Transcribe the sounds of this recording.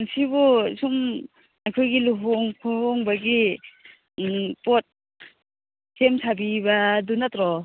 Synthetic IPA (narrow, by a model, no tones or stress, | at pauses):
nsibusum | ajkʰojɡiluɦɔŋkʰoɦɔŋbaɡi | pɔt̚ | semsʰabibadunatɾɔ